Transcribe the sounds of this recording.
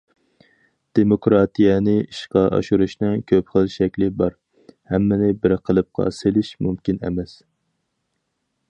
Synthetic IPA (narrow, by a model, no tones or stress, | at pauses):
d̪̥emokɾɑt̪ʰijɛnɪiʃqɑʔɑ̰ʃuɾuʃnɨkʲʰøpχəlˠʃɛkʲlɪbɑɾ | hɛmːɪnɪbɪɾqʰəlˠɨp̚qʰɑ̰selɪʃmumkʲinɛ̰mɛs